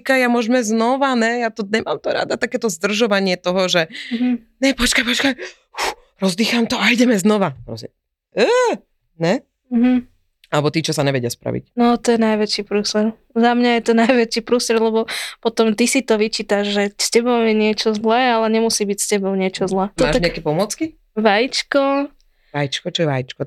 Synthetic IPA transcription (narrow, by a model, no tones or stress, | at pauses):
kajjamʊɔʒmɛznɔʋanɛjat̪ɔɲɛma̰ːmt̪ɔɾa̰d̪at̪akɛːt̪ɔzd̪r̩ʒɔʋaɲɪɛt̪ɔɦɔʒɛɦ | ɲɛpɔt͡ʃkajpɔt͡ʃkaj | ux | ɾɔzd̪iːxamt̪ɔaiɟɛmɛznɔʋapɾɔ̰sɛ | ə | nɛ | ɦ̩ | alɛbɔt̪iːt͡ʃɔsaɲɛʋɛɟɪaspɾa̰ʋḭcnɔt̪ɔjɛnajʋɛt͡ʃiːpɾuːsɛɾ | zamɲajɛt̪ɔnajʋɛt͡ʃiːpɾuːsɾɛd̪lɛbɔpɔt̪ɔmt̪isit̪ɔʋit͡ʃiːt̪aʒʒɛscɛbɔʊjɛɲɪɛt͡ʃɔzlɛːalɛɲɛmusiːbicscɛbɔʊɲɪɛt͡ʃɔzlɛːtmɔaːʒt̪aɲɛakɛpɔmʊɔt͡ski | ʋajit͡ʃkɔ | ʋajit͡ʃkɔt͡ʃɔjɛʋajit͡ʃkɔ